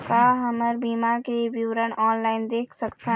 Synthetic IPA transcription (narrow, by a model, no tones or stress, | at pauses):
kaɦəməɾbiːmakebiwɾəɳɔːnlaːɪnd̪eːkʰsəkt̪ã